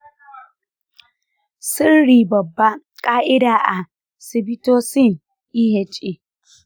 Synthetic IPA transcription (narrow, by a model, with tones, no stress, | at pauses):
si˦ɾɽi˨bɐ˨bːa˦ | kʼaː˦ʔɪ˦daː˨ʔa˨ | si˨bi˦toː˦si˦˨n | i˦ɦe˨t͡ʃʼi˨